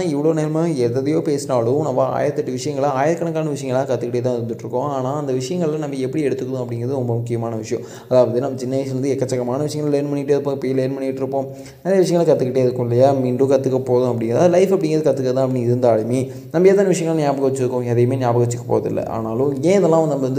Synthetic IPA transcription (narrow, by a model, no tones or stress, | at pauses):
ɪʋːɐɭoːneːlmaːɛðɐðɐjoːpeːsɪnaːlʊ̃nɐmbaa̰ːjɪɾɐt̪ːɐʈːɯʋɪʂɐjɐŋɡɐɭaːjɪɾɐkːɐɳɐkːaːnɐʋɪʂɐjɐŋɡɐɭlãːkɐt̪ːɯkːɪʈːeːt̪ːãːɪɾɯnd̪ɯʈːɾɯkːʊ̃aːnaːɐnd̪ɐʋɪʂɐjɐŋɡɐɭlɐnɐmːbɐɛpːɐɽiɛɽɯt̪ːɯkːɐðʊ̃ɐpːɐɽɪŋɡɪɾɐðɯɾɔmbɐmʊkːɪjɐmaːnɐʋɪʂɐjɐ̃ | ɐðaːʋɐðɯnɐmːɐt͡ʃɪnːɐɪsɐɾɯnd̪ɯɛkːɐt͡ʃːɐkːɐmaːnɐʋɪʂɐjɐ̃ŋɡɐɭleːnmɐɳːɪʈːɯɐðɯpːõpiːleːnpɐɳːɪʈːɪɾɯpːõː | ɐɾjɐʋɪʂ̬ɐjɐŋɡɐlɐkɐt̪ːɯkːɪʈːeːɐðɯkːʊ̃ɪlːɐjaːmiːɳɖukɐt̪ːɯkːɐpoːðʊ̃ɐpːɐɽɪŋɡɾɐðlɐɪfɐpːɐɽɪŋɡɪɾɐðɯkɐt̪ːɯkːɐt̪ːãːɐpːɐniɪɾɯnd̪aːɻɐmi | nɐmbɐeːt̪ːaːnɐʋɪʂ̬ɐjɐŋɡɐɭɐnjaːpɐɣɐʋɐt͡ʃːɪɾɯkːʊ̃ɛðɐjɐmeːnjaːpɐɣɐʋɐt͡ʃːɯkːɐpo̰ːɐðɪ̰lːɐ̰ʔa̰ːnaːlʊ̃ẽːɐðɐlːãːʋɐnd̪ɐmbɐʋɐnd̪ɯ